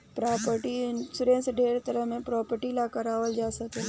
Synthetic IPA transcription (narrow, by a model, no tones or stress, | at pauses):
pɾaːpəɾʈisʊɾẽːsɖʱeːɾt̪əɾəɦmẽpɾɔːpəɾʈilakɐɾaːʋəld͡ʒaːsəke